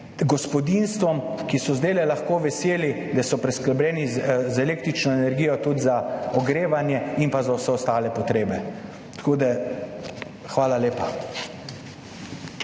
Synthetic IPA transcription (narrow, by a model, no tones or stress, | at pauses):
ɡɔspɔd̪inst̪ʋɔm | kisɔzd̪eːlɛlaxkoːʋɛseːli | d̪asɔpɾɛsklɛblɛːnizɛleːk̚t̪ɾit͡ʃnɔɛnɛɾɡiːjɔt̪ud̪zaɔɡɾeːʋanjɛimpazawsɛɔst̪aːlɛpɔt̪ɾeːbɛ | t̪ḁkoːd̪a | xʋaːlaleːpa